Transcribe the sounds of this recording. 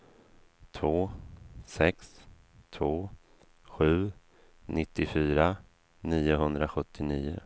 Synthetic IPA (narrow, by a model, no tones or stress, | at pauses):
t̪ʰvoːsɛks | t̪ʰvoː | ɧʉ̟ː | nɪt̪ːɪfyːɾa | niːʊɦɵnd̪ɾaɧɵt̪ːɪniːʊ̰